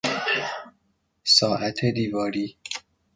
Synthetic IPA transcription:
sɒːʔæt̪ʰed̪iːvɒːɾiː

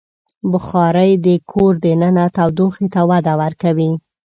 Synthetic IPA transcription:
bʊxɑɾəjd̪əkʰoɾd̪ənənat̪awd̪oxet̪awad̪awaɾkawi

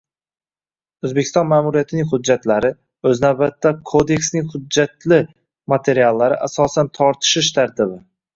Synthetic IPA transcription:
ɵzbekʰʲɪ̥st̪ɒnmaːmuɾijat̪ʰɪnɪŋʲhʊd͡ʒːat̪ʰlaɾɪ | ɵznawbat̪ʰːakʰod̪e̞kʲsnɪŋhʊd͡ʒːat̪lɪ | mat̪ʰe̞ɾialːaɾɪʔasɒsant̪ʰɒɾt̪ʰɪ̥ʃɪʃt̪ʰaɾt̪ʰɪbɪ

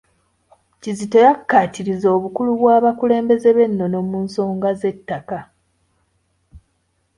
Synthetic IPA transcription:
cizito̞jakːaːtiɾizo̞ːβukuluβwaːβakule̞ːmbe̞ze̞βe̞nːo̞no̞muːnso̞ːŋɡaze̞tːaka

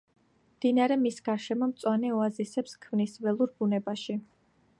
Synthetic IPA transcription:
md̪̥inaɾɛmisɡ̥aɾʃɛmɔmt̪sʼwanɛɔazisɛpskʰmnisvɛlˠuɾbunɛbaʃi

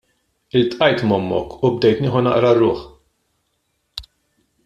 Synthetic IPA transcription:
ɪlt̪ʼʔɐjt̪mɔmːɔ̰kʊb̚d̪ɛjt̪nɪːħɔnɐ̰ʔɾɐrːʊːħ

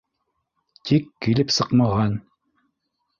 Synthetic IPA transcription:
t̪ʰikːilɘpsɤqmɑʁɑn

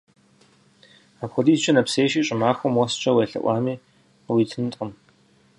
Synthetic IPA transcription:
aːpxʷɔdiːzt͡ʃʼɐnɐpseːʃiːɕʼɪmaːxʷɔmwɔst͡ʃʰʼɐweɬɐ̰ʔʷɑːmiː | qəwiːtʰɨnɨtʼqəm

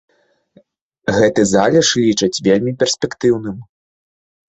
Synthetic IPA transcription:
ɣɛt̪ɨzalʲɛʂlʲit͡ʂɐt͡sʲvʲelʲmʲipʲɛrsʲpʲɛkt̪ɨwnɨm

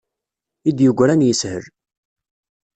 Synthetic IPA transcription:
id̪jəɡʷɾænjəshə̰ɾ

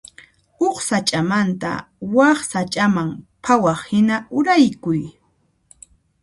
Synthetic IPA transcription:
oχsat͡ʃʼamant̪a̰ | wɑχsat͡ʃʼamampʰawɑχhɪnaʊɾajkʊj

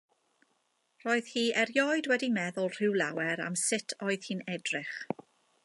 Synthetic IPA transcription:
r̥ɔːɨð̥hiːʔɛɾjɔɨdwɛdinɛðʊlˠr̥ɪwlˠawɛɾa̰msɪtʰɔːɨð̥hiːnɛdrɪχ

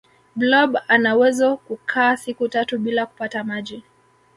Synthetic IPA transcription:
blɔbanawɛzɔkukʰaːsikutatuɓilaku̥patamaʄi

